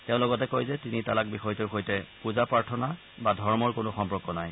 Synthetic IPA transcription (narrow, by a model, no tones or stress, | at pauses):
teʊ̃lɔɡɔtɛkojzɛtinitalak̚bixɔjtɔɹxɔjtɛpuzapaɹtʰɔna | badʱɔɹmɔɹkonʊxɔmpɔkːɔnaj